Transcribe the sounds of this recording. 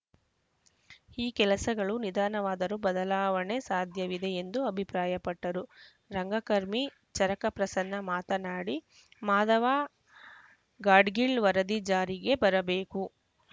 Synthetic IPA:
iːkɛlɐsɐɡɐɭunid̪aːnɐʋaːd̪ɐɾubɐd̪ɐlaːʋɐɳe̞saːd̪ʱjɐʋid̪e̞end̪uɐbʱipɾaːjɐpɐʈːɐɾu | ɾɐŋɡɐkɐɾmi | t͡ʃɐɾɐkɐpɾɐsɐnːɐmaːt̪ɐnaːɽi | maːd̪ɐʋaː | ɡaːɖɡiɭʋɐɾɐd̪id͡ʒaːɾiɡe̞bɐɾɐbeːku

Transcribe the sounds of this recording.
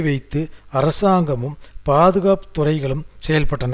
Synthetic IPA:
ʋɐɪt̪ːɯɐɾɐsaːŋɡɐmɯmpaːðɯɣaːpɯ̥t̪ːʊrɐɪɣɐɭɯmsɛjɐlpɐʈːɐnɐ

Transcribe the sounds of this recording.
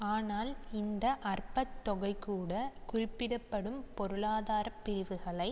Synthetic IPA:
aːnaːlɪnd̪ɐʔɐrpɐt̪ːɔɣɐɪkːuːɽɐkʊrɪpːɪɽɐpːɐɽɯmpɔɾɯɭaːðaːɾɐpːɪɾɪʋɯɣɐɭɐɪ

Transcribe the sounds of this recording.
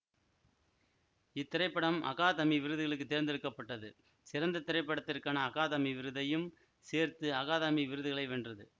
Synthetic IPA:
ɪt̪ːɪɾɐɪpːɐɽɐmɐ̰ɣaːðɐmiʋɪɾɯðɯɣɐɭɯk̬ːɯt̪ːeːɾnd̪ɪɾɯkːɐpːɐʈːɐðɯ̰ | sɪɾɐnd̪ɐt̪ɪɾɐɪpːɐɽɐt̪ːɪrkaːnɐːɣaːðɐmiʋɪɾɯðɐjɯm | seːɾt̪ɯɐɣaːðɐmiʋɪɾɯðɯɣɐɭɐɪʋɛndrɐðɯ

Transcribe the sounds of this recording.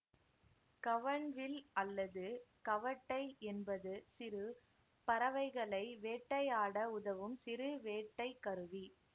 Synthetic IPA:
kɐʋɐɳʋɪlɐlːɐðɯkɐʋɐʈːɐɪɛnbɐðɯsɪɾɯ | pɐɾɐʋɐɪɣɐɭɐɪʋeːʈːɐɪaːɽɐʊðɐʋɯmsɪɾɯʋeːʈːɐɪkɐɾɯʋi

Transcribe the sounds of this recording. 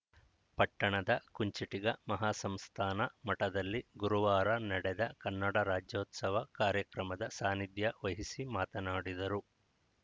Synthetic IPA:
pɐʈːɐɳɐd̪ɐkuɲt͡ʃiʈiɡɐmɐɦaːsɐmst̪ʰaːnɐmɐʈɐd̪ɐlːiɡuɾuʋaːɾɐnɐɽɛd̪ɐkɐnːɐɽɐɾaːd͡ʒjoːt̪sɐʋɐkaːɾjɐkɾɐmɐd̪ɐsaːnid̪jɐʋɐɦisimaːt̪ɐnaːɽid̪ɐɾu

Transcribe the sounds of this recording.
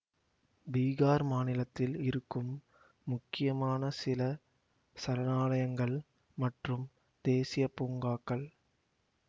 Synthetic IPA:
biːɣaːɾmaːnɪlɐt̪ːɪlɪɾɯkːɯmː | ʊkːɪjɐmaːnɐsɪlɐ | sɐɾɐnaːlɐjɐŋɡɐɭ | mɐʈrɯm | d̪̥eːsɪjɐpːuːŋɡaːkːɐɭ

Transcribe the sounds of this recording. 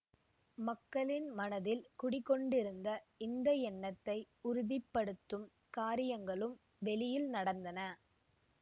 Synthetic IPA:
mɐkːɐɭɪnmɐnɐðɪlkʊɽɪkːɔɳɖɪɾɯnd̪ɐɪnd̪ɐɛnːɐt̪ːɐɪ | ʊɾʊðɪpːɐɽɯt̪ːɯm | kaːɾɪjɐŋɡɐɭɯm | ʋɛɭɪjɪlnɐɽɐnd̪ɐnɐ

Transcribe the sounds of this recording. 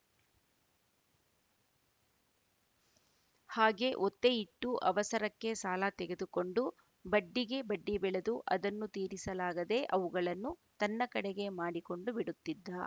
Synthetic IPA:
haːɡe̞ʔot̪ːeiʈːuʔɐʋɐsɐɾɐkːe̞saːlat̪ɛɡe̞d̪uko̞ɳɖu | bɐɖːiɡe̞bɐɖːibɛɭed̪uʔɐd̪ɐnːut̪iːɾisɐlaːɡɐd̪e̞ʔɐʋuɡɐɭɐnːut̪ɐnːɐkɐɽeɡe̞maːɽiko̞ɳɖubiɽut̪ːid̪ːɐ

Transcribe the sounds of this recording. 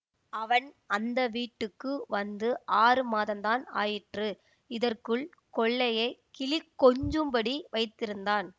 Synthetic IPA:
ɐʋɐn | ɐnd̪ɐʋiːʈːɯkːɯʋɐnd̪ɯʔaːrɯmaːðɐmt̪aːna̰ːjɪʈrɯ | ɪðɐrkɯɭ | kɔɭːɐjɐɪkɪlɪkːɔɲd͡ʒɯmbɐɽiʋɐɪt̪ːɪɾɯnd̪aːn

